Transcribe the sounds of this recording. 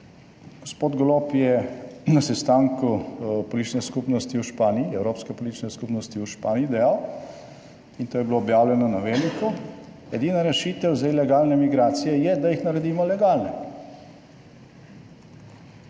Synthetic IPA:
ɡ̥ospoːd̪ɡlopjɛnasɛst̪aːŋkupɔlit͡ʃnɛskupnɔst̪iuʃpaːniːɛwɾoːpskɛpɔlit͡ʃnɛskupnɔst̪iuʃpaːniiːd̪ɛjaw | int̪oːjɛbloːbjaːwlʲjɛnɔnaʋeːliku | ɛd̪iːnaɾɛʃiːt̪ɛwzailɛɡaːlnɛmiɡɾaːt̪sijɛjɛd̪ajixnaɾɛd̪iːmɔlɛɡaːlnɛ

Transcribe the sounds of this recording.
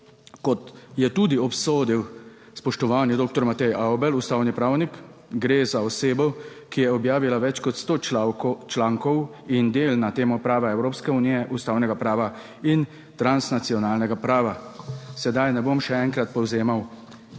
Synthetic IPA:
kɔt̪jɛt̪ud̪iɔpsoːd̪iw | spɔʃt̪ɔʋaːnjɛd̪oːk̚t̪ɔɾmat̪ɛjawbɛlust̪aːwnipɾaːwnikɡɾeːzaɔseːbɔ | kijɛɔbjaːʋilaʋɛt͡ʃkɔt̪st̪ot͡ʃlaːŋkɔw | ind̪eːlnat̪eːmɔpɾaːʋɛɛwɾoːpskɛunijɛʔust̪aːwnɛɡapɾaːʋa | in | t̪ɾansnat̪siɔnaːlnɛɡapɾaːʋasɛd̪ajnɛbomʃɛɛŋkɾat̪̚pɔwzeːmaw

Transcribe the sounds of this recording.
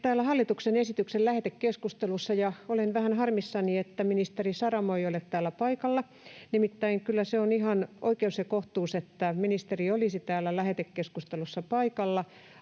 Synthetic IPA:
t̪æːlːæhɑlːit̪uksenesit̪yksellæhet̪ekkeskust̪elusːɑjɑolenʋæhænhɑrmisːɑniet̪ːæminist̪erisɑrɑmoiolet̪t̪æːlːæpɑikɑlːɑ | nimit̪ːæiŋkylːæseoniɦɑnʔo̰ikeusekoht̪uːset̪ːæminist̪eriolisit̪æːlːælæhet̪ekːeskust̪elusːɑpɑikɑlːɑ

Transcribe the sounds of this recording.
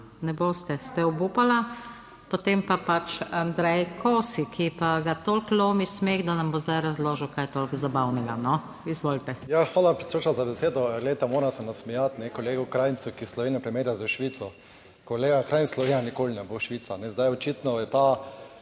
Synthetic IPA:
nɛboːst̪ɛst̪ɛɔbupala | pot̪empapat͡ʃand̪ɾɛjkʰoːsikʰipaɡat̪olkloːmismeːɣd̪anambozd̪ajɾazloːʒəwkajt̪oːlkzabawnɛɡanɔ | izʋoːlt̪ɛjaxʋaːlapɾɛt̪sɾot͡ʃazabɛseːd̪ɔɡled̪t̪ɛmoːɾasɛnasmɛjat̪nɛkɔleːɡukɾajnt̪sukislɔʋeːnjapɾɛmeːɾjazɛʃʋiːt̪sɔ | koleːɡakɾajnslɔʋenʲjanikoːlinɛboʃʋiːt̪sanɛzd̪ajɔt͡ʃiːt̪nɔjɛt̪a

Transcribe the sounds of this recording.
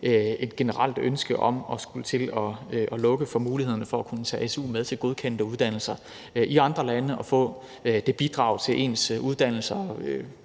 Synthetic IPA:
e̝d̥̚ɡ̥e̝nəʁɑl̰d̥ønsɡ̥əʔɒ̽mɒ̽sɡ̥ult͡sʰe̝lɒ̽ʔɒ̽lɔ̽ɡ̥əfɒ̽muːlihe̝ð̰ˠɐnəfɒ̽ækʰunət͡sʰɛ̰ːʔesṵːmeðˠt͡sʰe̝lɡ̥o̝ð̞ˠkʰen̰d̥əuð̞ˠd̥æn̰l̩sɐ | iɑ̈nd̥ʁɐlænəʔɒ̽fɔ̰̽ː | d̥e̝b̥id̥ʁɑ̈ʊt͡sʰe̝lʔe̝̰ːnsuð̞ˠd̥æn̰l̩sɐø

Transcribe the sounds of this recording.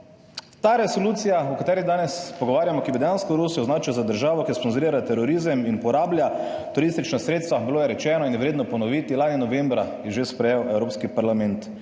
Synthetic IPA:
t̪aɾɛsoluːt̪sijaukat̪ɛːɾiɣd̪aːnɛspoɡɔʋaːɾjamɔkibid̪ɛjanskɔɾuːsijɔznaːt͡ʃijzad̪əɾʒaːʋɔkisponzʊɾiːɾat̪ɛɾɔɾiːzəminpɔɾaːbljat̪ʊɾist̪it͡ʃnasɾet̪st̪ʋabiloːjɛɾɛt͡ʃɛːnɔinjɛʋɾeːd̪nɔpɔnɔʋiːt̪ilaːninɔʋembɾajɛʒespɾɛjɛwʔɛwɾoːpskipaɾlamɛnt̪

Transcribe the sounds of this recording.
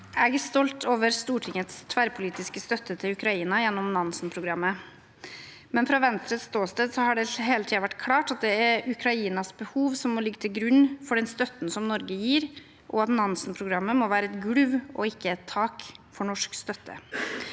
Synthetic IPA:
ɛɡæst̪ɔlt̪ʰoːʋəɾst̪uːʈʰɪŋːət̪st̪ʰʋæɾpʰʊliːt̪ɪskəst̪œt̪ːət̪ʰɪlʉkɾɑiːnɑjɛnːɔmnɑnsnpʰɾʊɡɾɑmːə | mɛnfɾɑːʋɛnst̪ɾət̪st̪oːst̪əd̪sɔhɑɖɛɦeːlət̪ʰiːɑʋæʈːkʰlɑːʈɑt̪̚d̪ɛæɾʉkʰɾɑiːnɑsbəhuːʋsɔmːɔlɪɡːət̪ʰɪlɡɾʉnːfɔɖɛnst̪œt̪ːn̩sɔmnɔɾɡəjiːɾ | ʔɔɑt̪nɑnsnpʰɾʊɡɾɑmːəmɔʋæːɾəɛt̪ɡɽʉʋɔɪkʰːəɛt̪ʰːɑːkfɔɳɔʂkst̪œt̪ʰːə̰

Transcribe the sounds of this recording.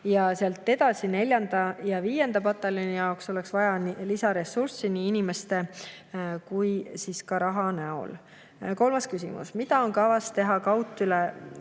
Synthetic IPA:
jɑseɑlt̪ːˑe̞d̪̥ɑsine̞lʲjɑnd̪̥ɑjɑviːje̞nd̪̥ɑpɑt̪ːˑɑlinijɑokso̞leksvɑjɑnlisɑɾe̞sursiniinime̞st̪e̞ | kujsiskɑɾɑɦɑnæo̰l | ko̞lmɑskysḭmṵsmid̪̥ɑo̞nkɑvɑst̪e̞ɦɑkɑwt̪ˑːyle

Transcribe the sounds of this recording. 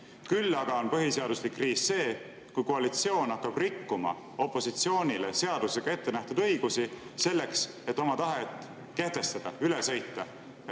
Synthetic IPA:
kylːɑɡ̥ɑo̞npɤɦise̞ɑd̪uslikːriːsse̞ː | kujkoɑlit̪sio̞ːnɑkːɑb̥rikːumɑ̰ | o̞pːˑo̞sit̪sio̞ːnʲilese̞ɑd̪̥use̞ɡ̥ɑe̞t̪ːe̞næht̪ud̪̥ɤ̞jɡ̥usise̞lːe̞ks | et̪ːo̞mɑt̪ɑɦe̞t̪ˑ | ke̞ht̪e̞st̪ɑd̪̥ɑyle̞sɤjt̪ːɑ

